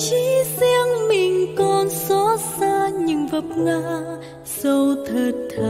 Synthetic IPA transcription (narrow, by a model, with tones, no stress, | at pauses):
t͡ɕi˧˥sɛ˧əŋmi˧ŋkɔ˧nsɔ˧˥saː˧ɲɨ˧ŋvə˧˩p̚ŋa˧˥ | so˧t̪ʰəː˧˩t̪ʰːə˧˩